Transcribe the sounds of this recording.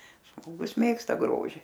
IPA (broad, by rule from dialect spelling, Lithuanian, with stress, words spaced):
ʒmoːˈɡʊs ˈmʲeːkstɐ ˈɡroːʒʲɪ